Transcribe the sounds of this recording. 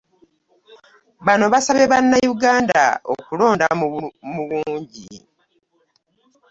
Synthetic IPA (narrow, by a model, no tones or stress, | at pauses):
βano̞βasaβe̞βanːajuɡaːnda̰o̰kulo̞ːndamuβuːɲɟḭ